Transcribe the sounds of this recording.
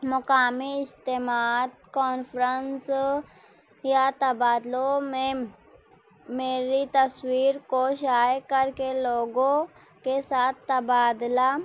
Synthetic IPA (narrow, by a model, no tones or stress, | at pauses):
mʊkaːmiɪst̪emaːt̪kɔːnfɾəns | jat̪ɐbaːd̪lomẽ | meːɾit̪ɐswiːɾkoʃaːjkəɾkeloːɡõ | kesaːt̪̚ʰt̪ːɐbaːd̪la